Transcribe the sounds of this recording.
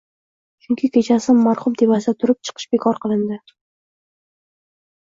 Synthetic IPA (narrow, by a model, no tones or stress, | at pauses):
t͡ʃʰʊŋkʲʰɪkʲʰe̞t͡ʃʰasɪmːaɾχʊmt̪ʰevasd̪at̪ʰʊɾɪp̚t͡ʃʰɨ̥qʰɨ̥ʃbekʰɒɾqɨlˠɪnd̪ɪ